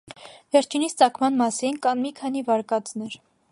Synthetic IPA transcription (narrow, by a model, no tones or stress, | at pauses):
vɛɾt͡ʃʰinist͡sɑkʰmɑnmɑsinkɑnmikʰɑn̪ivɑɾkɑt͡snɛɾ